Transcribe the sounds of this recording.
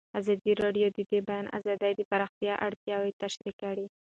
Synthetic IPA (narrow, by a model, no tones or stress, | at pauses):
azɑd̪iɾɑɖjod̪əd̪ebajɑna̰zɑd̪ajd̪əpaɾɑxt̪jɑʔa̰ɽt̪jɑwet̪aʃɾikaɽi